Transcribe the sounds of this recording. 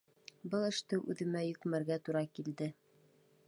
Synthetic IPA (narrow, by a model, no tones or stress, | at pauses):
bɤlˠɘ̆ʃt̪ɘʔʉðɘ̆mæjɵ̆kmæɾɡæt̪uɾɑkild̪ɘ